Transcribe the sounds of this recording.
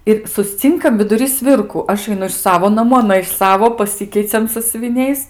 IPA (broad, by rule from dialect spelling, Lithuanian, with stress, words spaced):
ɪr sʊsʲˈt͡sʲɪŋkɐm ʋʲɪdʊˈrʲiː ˈsʲʋʲɪrkʊ ˈɐʃ ɐɪˈnʊ ɪʃ ˈsɑːʋoː nɐˈmuː ɐˈnɐ ɪʃ ˈsɑːʋoː pɐˈsʲɪkʲɛɪt͡sʲɛm sɐsʲʊʋʲɪˈnʲɛɪs